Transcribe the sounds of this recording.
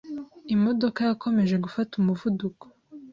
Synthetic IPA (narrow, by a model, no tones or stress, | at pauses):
imo̞do̞kajakʰo̞me̞ʒe̞ɡufatumuvuduko̥